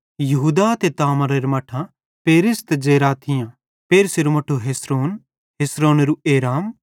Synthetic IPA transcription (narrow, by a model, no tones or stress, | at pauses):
jɐɦuːd̪at̪et̪aːmɐɾeɾmɐʈʰã | peːɾɪst̪d͡ʒeːɾaːt̪ʰɪjã | peːɾseɾumɐʈʰuɦesɾoːn | ɦeːsɾoːneɾueːɾaːm